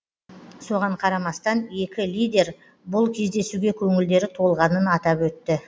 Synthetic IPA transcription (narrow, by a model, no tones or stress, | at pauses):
so̞ʁɑɴqʰɑɾɑmɑst̪ɑne̞kʲɪlʲijd̪ʲe̞ɾ | bʊlˠkʲʰe̞zd̪e̞suɡʲe̞kʲʰɵŋɪld̪e̞ɾɪt̪ʰo̞lˠʁɑnənɑt̪ɑpwɵt̪ːɪ